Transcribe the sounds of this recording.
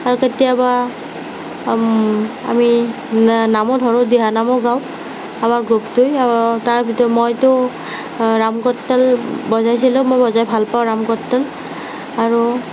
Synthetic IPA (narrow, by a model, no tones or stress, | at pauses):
aɹuketijaba | a̰mi | namɔdʱɔɹɔdiɦanamɔɡaw | amaɹɡuptʊjataɹbʱitɔɹmojtʊ | ɹamkɔtːɛlbɔzajs̬ilʊ̃mojbɔzajbʱalpaʊ̃ɹamkɔtːɛl | aɹu